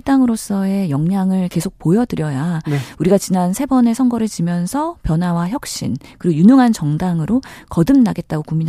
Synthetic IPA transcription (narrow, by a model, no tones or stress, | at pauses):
t͈aŋɯɾos͈ʌe̞jʌŋɲaŋɯɭke̞sʰok̚pojʌdɯɾjʌjauɾiɡat͡ɕinansʰe̞bʌne̞sʰʌŋɡʌɾɯɭt͡ɕimjʌnsʰʌpjʌnɦwawaçjʌk̚ɕ͈ḭnkɯɾojunuŋɦant͡ɕʌŋdaŋɯɾokʌdɯmnaɡe̞t̚t͈aɡokumːina